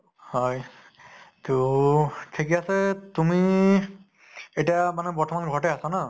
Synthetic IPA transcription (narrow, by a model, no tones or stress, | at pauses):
hɔj | tu | tʰekiasɛtumi | etiamanɛpɔtʰɔmanɡʱɔɹtɛasana